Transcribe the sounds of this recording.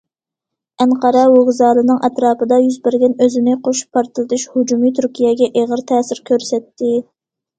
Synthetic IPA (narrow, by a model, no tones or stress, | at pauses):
ɛŋqɑɾɑwoʁzɑːlˠɨnɨŋʔɛt̪ɾɑːpɨd̪ɑjyzbɪɾd̪ɪnøzɪnɪqʰoʃpʰːɑɾt̪ɨlˠɨt̪uʃhud͡ʒumit̪ʰyɾkʲijɛɡʲɛʔeʁəɾt̪ʰɛːsɪɾkʲʰøɾsɛt̪ʰːɪ